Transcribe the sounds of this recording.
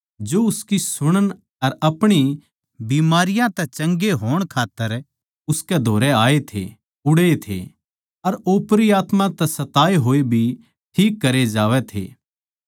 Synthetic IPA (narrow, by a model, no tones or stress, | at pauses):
d͡ʒoːʊskisʊɽ̃ən | ɐɾɐpɽ̃i | biːmaːɾɪjãt̪ɛt͡ʃɐ̃ŋɡeɦoːɽ̃kʰaːt̪ːəɾ | ʊskɛd̪ʱoːɾɛaːet̪ʰḛ | ʊɽeet̪ʰḛ | ɐɾoːpɾiaːt̪mãt̪ɛsɐt̪aːeɦoːebʱi | ʈʰiːkːɐɾed͡ʒaːʋɛt̪ʰḛː